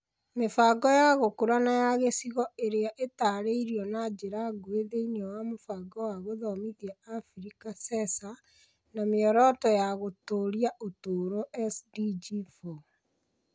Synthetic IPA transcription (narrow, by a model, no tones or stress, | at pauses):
mefaɡɔjaɣokuɾanajaɣesiɣɔeɾeaʔetaːɾeiɾiɔnad͡ʒeɾaɡoeðeiniɔwamofaɡɔwaɣoðɔmiɣjaafɾikasɛsa | nameɔɾɔtɔjaɣotoɾiaʔotoːɾoʔɛsdid͡ʒifo